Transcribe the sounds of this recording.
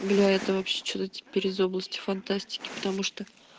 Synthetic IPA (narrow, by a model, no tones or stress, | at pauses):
ɡlʲaɛt̪əvɐpɕːet͡ɕot̪ətʲɪ̥pʲeɾʲɪzo̞blˠəsʲtʲɪ̥fɐnt̪asʲtʲɪ̥kʲɪ̥pə̥t̪ɐmuʂt̪o